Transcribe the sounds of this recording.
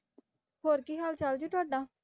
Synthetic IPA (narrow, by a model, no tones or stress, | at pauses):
ɦoːɾkiːɦaːlt͡ʃald͡ʒoːʈʊaːɖaː